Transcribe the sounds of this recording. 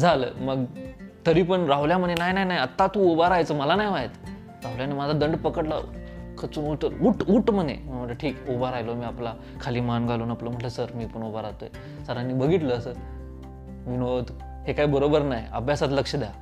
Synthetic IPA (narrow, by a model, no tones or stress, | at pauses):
d͡zʱalə̰məɡt̪əɾiːpəɳɾaʋljaməd̪jenajnajnajət̪ːat̪uobaɾajt͡səːməlanajʋaɦet̪ | ɾawljanemad͡zʱad̪əɳɖpəkəʈla̰kʰət͡suːnuʈəluʈuʈm̤əd̪ʱjḛm̤əməʈləʈʰiːkobaɾajlomiːapla | kʰaliːmanɡʱaluːnapləm̤əɳʈləsəɾmiːpəɳobaɾat̪ojḛ | səɾanːiːbəɡʱiʈ̪ləːsəː | minot̪ | hekaiːbəɾobəɾnajə̰bʱjasat̪ləkʂəd̪eja